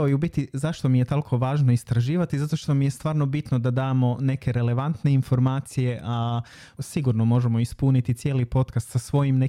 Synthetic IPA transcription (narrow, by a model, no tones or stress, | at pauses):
ojubit̪izaʃt̪o̞mijet̪olˠkʰo̞ʋaːʒno̞ist̪ɾaʒiːʋat̪izat̪o̞ʃt̪o̞mije̞st̪ʋaːɾno̞bit̪no̞d̪ad̪aːmo̞ne̞ke̞ɾe̞le̞ʋant̪ne̞info̞ɾmaːt̪sije̞ʔa | siɡuːɾno̞mo̞ʒemo̞ispunit̪it̪sje̞ːlipo̞t̪kast̪sasʋo̞jimne